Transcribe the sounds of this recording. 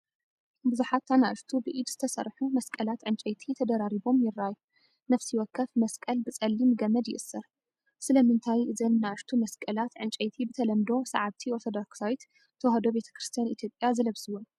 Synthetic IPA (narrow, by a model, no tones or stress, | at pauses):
buzuħat̪ʰːanaʔɨʃt̪ʰubɨʔid̪z̥ɨt̪ʰɐsɐ̰ɾħumɐskʼɐlat̪ʕɨnt͡ʃʼɐjt̪ʰit̪ʰɐd̪ɐɾaɾibo̞mjɪrːaju | nɐfsijwɔkʰːɐfmɐskʼɐlbɨt͡sʼɐlːimɡɐmɐd̪jɪʔɨsːɐɾ | sɨlɐmɨnt̪ʰajʔɨzɐnnaʔɨʃt̪ʰumɐskʼɐlat̪ʕɨnt͡ʃʼɐjt̪ʰibɨt̪ʰɐlɐmd̪o̞sa̰ʕaβt̪ʰiot̪ʰod̪oksawjt̪ | t̪ʰːɐwhɐd̪o̞be̞t̪ʰɐ̥kɾɨst̪ʰijanit̪jo̞pʼjazɐlɐβsɨwon